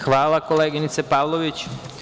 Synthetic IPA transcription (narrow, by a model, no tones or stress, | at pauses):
xʋaːlakɔlɛɡiɲit͡sɛpaʊlɔʋit͡ʃ